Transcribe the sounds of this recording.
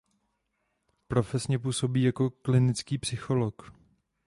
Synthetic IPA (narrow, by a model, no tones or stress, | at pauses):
pɾo̞fɛsɲɛp̬uːso̞biːjako̞klɪnɪt͡skiːpsɪxo̞lo̞k